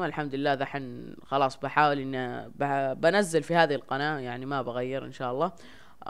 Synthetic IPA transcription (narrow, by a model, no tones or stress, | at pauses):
maɪlħamd̪ʊlɪlːaːðaħɪnxɑlɑːsˤbɪħaːwɪlʔɪnːibabanazːalfihaːðilqɑnaːjaʕnimabaɣajːɪɾʔɪ̰nʃaːʔɑlˤːɑː